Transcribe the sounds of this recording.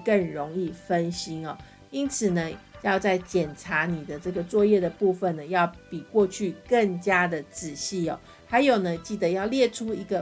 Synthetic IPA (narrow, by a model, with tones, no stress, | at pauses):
kə˥˩nɻo˧˦ŋi˥˩fə˦nɕi˥nɔ̰˨˩ | i˦˥nt͡sʰɹ̩˨˩nə˦jɑ˥˧ʊt͡sa˥˩ɪt͡ɕjɛ˨˩nʈ͡ʂʰa˧˥ni˨˩d̪ə˦ʈ͡ʂɤ˥˩ɡə˩t͡swɔ˥˧jɛ˥˩d̪ə˩pu˥˧fə˨nə˩jɑ˥˩ʊpi˨˩kwɔ˥˧t͡ɕʰy˥˧kə˥˩ŋt͡ɕja˥d̪ə˨t͡sɹ̩˨˩ɕi˥˩ɔ̰˨˩ | ha˧˥ɪjo˨˩ʊnə˦t͡ɕi˥˩d̪ə˩jɑ˥˧ʊljɛ˥˩ʈ͡ʂʰu˦i˧˥ɡə˧